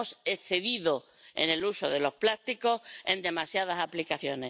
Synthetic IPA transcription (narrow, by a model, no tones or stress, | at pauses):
oseθe̞ðiðo̞ | ḛne̞luso̞ðe̞lo̞hplast̪iko̞he̞̰nd̪e̞masjað̞asaplikaθjo̞ne